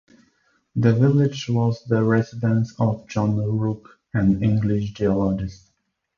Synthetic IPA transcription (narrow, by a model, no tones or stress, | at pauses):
ðɨvɪlɪd͡ʒwɔzðəɹɛzɪdə̃nsɔvd͡ʒɑ̃nɹuk | ɨ̃nɪ̃ŋɡlɪʃ̬d͡ʒiɔlɔd͡ʒɪst